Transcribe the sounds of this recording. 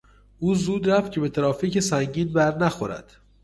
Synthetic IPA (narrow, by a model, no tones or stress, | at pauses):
ʔuːzuːd̪ɾæft̪̚cʰe̞be̞t̪ʰeɾɒːficesæŋɟiːnbæɾnæxoɾæ̰d̪̥